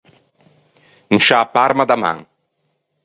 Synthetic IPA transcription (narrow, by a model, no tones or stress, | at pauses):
ŋ̩ʃaːpaɾmad̪ama̰ŋ